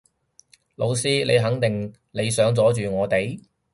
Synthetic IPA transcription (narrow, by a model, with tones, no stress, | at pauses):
lo˨˧wsiː˥le˨˧jɦɐ˨˥ŋt̪ɪ˨ŋ | le˨˧jsœː˨˥ŋt͡sɔː˨˥t͡ʃyː˨ŋɔː˨˧t̪e˨j